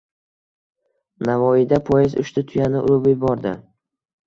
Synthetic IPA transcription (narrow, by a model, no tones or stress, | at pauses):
navɒjɪd̪apʰɒjɪzʊ̰ʃt̪ɪt̪ʰʊjanɪʔʊlˠʊbɪbɒɾd̪ɪ